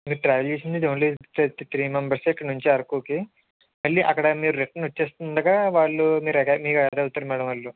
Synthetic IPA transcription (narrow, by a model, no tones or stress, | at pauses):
miːɾuʈɾaːʋeld͡ʒeːsind̪id̪eʋɐɳlit̪t̪ɾiːmembɐɾsoikːɐɽɐnuɲt͡ʃiɐɾkuːki | mɐɭːiʔɐkːɐɽɐmiːɾuɾeʈːɐnʋɐt͡ʃːeːst̪und̪ɐɡaːʋaːɭːumiːɾɐkːmiːkɐd̪ɐwut̪ɐːɾmaːɽɐmʋɐɭːu